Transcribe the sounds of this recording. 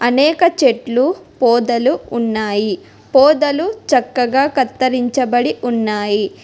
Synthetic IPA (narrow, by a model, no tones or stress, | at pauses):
ɐnɛːkɐt͡ʃe̞ʈlupɔːd̪ɐluunːaːji | pɔːd̪ɐlut͡ʃɐkːɐɡaːkɐt̪ːɐɾiɲt͡ʃɐbɐɽiʔunːaːji